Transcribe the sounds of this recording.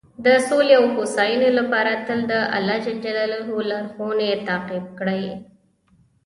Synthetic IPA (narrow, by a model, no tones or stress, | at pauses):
d̪əsoleawhosɑjunolapɑɾat̪əld̪əʔa̰lɑd͡ʒald͡ʒalalɦolaɾxonet̪ɑqɪb̚kɽaj